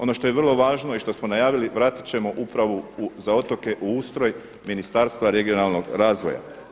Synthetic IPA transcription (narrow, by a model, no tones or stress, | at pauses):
o̞no̞ʃt̪o̞jeʋr̩lˠo̞ʋaːʒno̞iʃt̪o̞smonajaːʋiliʋɾaːt̪i̥t͡ɕe̞mo̞ʔupɾaʋouzao̞t̪o̞ke̞ʔuuːst̪ɾo̞j | minist̪aːɾst̪ʋaɾe̞ɡio̞nalno̞ɡɾaːzʋo̞̰ja̰